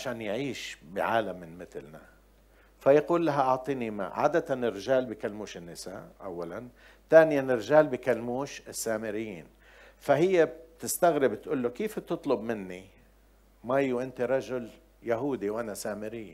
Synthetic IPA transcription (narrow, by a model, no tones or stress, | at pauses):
ʕaʃaːnjʕiːʃbɪ̰ʕaːlamːɪnmɪt̪lna̰ | fajaquːlːaɦaʔʊʕt̪ˤiːnima̰ʕa̰ːd̪at̪anɪrːɪʒaːlbɪkalmuːʃɪnːɪsa̰ːʔʔa̰wːalan | t̪aːnɪjanɪɾʒaːlbɪkalmuːʃɪsːaːmɪɾɪjːḭːn | fahɪjːeb̚t̪ɪst̪aɣɾɪbt̪ʔuːlːokeːfb̚t̪ɨt̪ˤlʊbmɪnːi | majːuwʔɪnt̪iɾˤɑʒʊl | jaɦuːd̪iwʔanasaːmɪɾɪː